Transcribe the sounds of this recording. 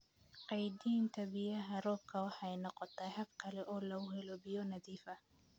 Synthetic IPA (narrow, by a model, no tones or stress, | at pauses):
qɑjd̪iːnt̪ʰɐbijɐɦɐrɔːb̚kʰɐwɑħɑjnɔqɔt̪ʰɐɦɐbkʰɐlɛʔɔːlɐʊɦɛlɔbɪjɔnɐðiːfɐ